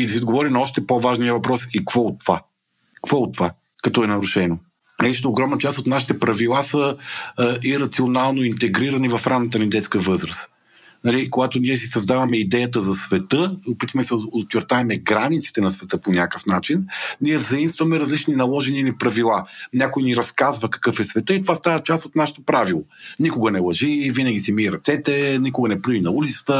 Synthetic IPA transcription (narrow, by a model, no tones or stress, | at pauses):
id̪ɐsiod̪ɡovɔɾinɔʃt̪ɛpovaʒniəvɐpɾɔsikv̥ɔot̪ːova | kvɔot̪ːova | kɐt̪ɔɛnɐɾuʃɛno | nɐit͡ʃɛ̥t̪ɛoɡɾɔmnɐət͡ʃast̪ot̪naʃi̥t̪ɛpɾɐvilˠasə | iɾɐt̪sionalˠnoint̪ɛɡɾiɾɐnivɐfɾamnət̪ənid̪ɛt̪skəəvɤzɾəs | nɐlikoɡat̪oniɛs̬isɐzd̪avɐmɛid̪ɛjət̪əzɐsvɛt̪ɤopit̪vɐmɛsɛot͡ʃːɛɾt̪aɛmɛɡɾanit̪si̥t̪ɛnɐsvɛt̪ɤponʲakəfnat͡ʃinniɛvzɐimst̪vɐmɛɾɐzlit͡ʃninɐlˠɔʒɛnilipɾɐvilˠanʲakojniɾɐskazvəkɐ̥kɤfɛsvɛt̪ɤit̪ovast̪avət͡ʃast̪ot̪naʃə̥t̪opɾavilˠonikoɡənɛlˠɐʒivinəɡʲisimiɾɐt̪sɛt̪ɛnikʊɡənɛpɾuinɐulit̪sə̥t̪ə